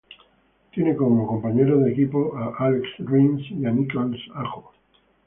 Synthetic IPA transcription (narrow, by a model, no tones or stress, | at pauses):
t̪je̞ne̞ko̞moko̞mpaɲe̞ɾoðe̞kipo̞ʔaʔaleksrinsianikolsaxo